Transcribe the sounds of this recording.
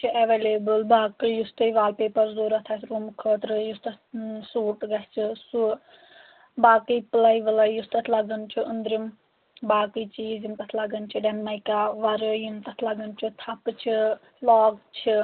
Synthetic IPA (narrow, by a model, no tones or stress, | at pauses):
t͡ʃʰiʔɐʋeːleːbɨlbaːkɨjust̪ɐjʋaːlpeːpɐɾzoːɾɐt̪ʰat̪ʰɾuːmkʰəːt̪ɾɨjust̪ɐ | suːʈɡɐst͡ʃʰisu | baːkəjplɐjʋɐlɐjust̪ɐt̪ʰlɐɡɐnt͡ʃʰiʔənd̪ɾim | baːkəjt͡ʃʰizimt̪ɐt̪ʰlɐɡɐnt͡ʃʰiɖɐnmɐjkaʋɐɾɨjimt̪ɐt̪ʰlɐɡɐnt͡ʃʰit̪ʰɐpɨt͡ʃʰi | laːɡt͡ʃʰi